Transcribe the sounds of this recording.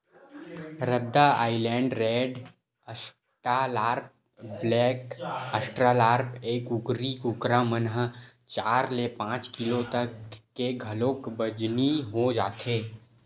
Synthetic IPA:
ɾəd̪ːaaːɪlɛ̃ːɳɖɾeːɖ | əs | ʈalaːɾp̚ | blɛːkəsʈɾalaːɾpeːkʊkɾikʊkɾamənɦət͡ʃaːɾlepãːt͡ʃkɪlot̪əkːeɡʱəloːkbəd͡ʒniɦod͡ʒaːt̪ʰeː

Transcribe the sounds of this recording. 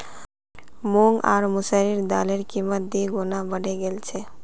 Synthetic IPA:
moŋɡa̰ːɾmʊsəɾiɾd̪aleɾkimət̪̚d̪iɡonabəɖeɡelt͡ʃʰe

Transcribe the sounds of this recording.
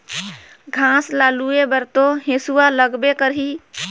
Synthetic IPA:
ɡʱãslaluebəɾt̪oɦẽsualəɡbekəɾɦi

